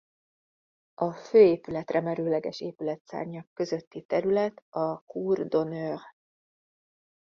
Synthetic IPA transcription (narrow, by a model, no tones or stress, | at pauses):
ɒføːeːpylɛt̪rɛmɛɾøːlɛɡɛʃeːpylɛt̪sa̰ːrɲɒkːø̞zø̞t̪ːit̪ɛɾylɛt̪ɒkuːrd̪o̞nøːr